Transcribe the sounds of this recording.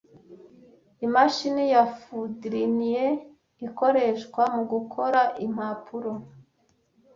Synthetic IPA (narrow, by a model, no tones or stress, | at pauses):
imaʃinijafudɾinije | iko̞ɾe̞ʃkwamuɡukʰo̞ɾaʔim̥apʰuɾo